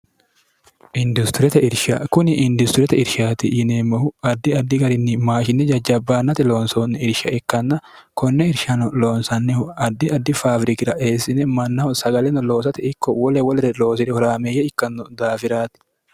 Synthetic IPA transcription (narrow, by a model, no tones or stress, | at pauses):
ʔɪnd̪ʊst̪ɪɾɛt̪ɛɪɾʃɐ̰kʊnɪʔɪnd̪ʊst̪ɾɛt̪ɛɪɾʃaːt̪ɪjɪneːmːɐhʊɐd̪ːɪɐd̪ːɪɡɐɾɪnːɪmaːʃɪnːɛd͡ʒɐd͡ʒːɐbːaːnːɐt̪ɪloːnsonːɪɪɾʃɐʔɛkːɐnːɐ | kɔnːɛɪɾʃɐnɔlo̞ːnsɐnːɪhɐd̪ːɪɐd̪ːɪfaːfɾɪkɪɾɐʔe̞ːsɪnɛmɐnːɐɔsɐɡɐlɛnɔlo̞ːs̬ɐt̪ɪɪkːɔwɔlɛwɔlɾɛlo̞ːs̬ɪɾɛhɔɾaːmejːɛɪkːɐnːʊd̪aːfɪɾaːt̪ɪ̥